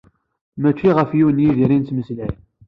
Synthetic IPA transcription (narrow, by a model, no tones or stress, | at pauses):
mæt͡ʃːiʁəfjiwənjiðiɾint̪məslʕi